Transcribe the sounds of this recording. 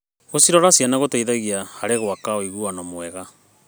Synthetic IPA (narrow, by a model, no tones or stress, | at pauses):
ɣosiɾɔɾasjanaɣotaiðaɣiahaɾeɣwakaoiɣuanɔmwɛɣa